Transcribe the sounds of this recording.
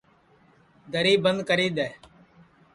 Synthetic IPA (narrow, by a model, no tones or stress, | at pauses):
d̪əɾiːbənd̪kəɾiːd̪ɛː